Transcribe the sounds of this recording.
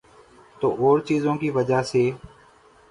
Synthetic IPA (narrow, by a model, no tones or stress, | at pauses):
t̪oːʔoːɾt͡ʃiːzõːkiːʋəd͡ʒaːseː